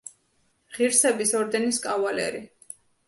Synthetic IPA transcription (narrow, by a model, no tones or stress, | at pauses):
ʁiɾsɛbisɔɾd̪ɛniskʼavalɛ̰ɾi